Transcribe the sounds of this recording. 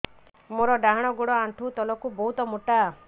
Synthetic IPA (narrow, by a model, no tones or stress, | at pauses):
moɾɔɖaɦaɽ̃ɔɡuɽɔaɳʈʰut̪ɔlɔkubɔɦut̪ɔmuʈa